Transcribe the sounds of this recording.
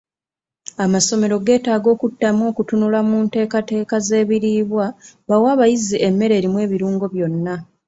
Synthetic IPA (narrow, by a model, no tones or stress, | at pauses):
amaso̞me̞ɾo̞ɡe̞ːtaːɡo̞ːkutːamo̞ːkutunulamunte̞ːkate̞ːkaze̞ːβiɾiːβwaβawaːβajiziʔe̞mːe̞ɾe̞ːɾimwe̞ːβiɾuːŋɡo̞βjo̞nːa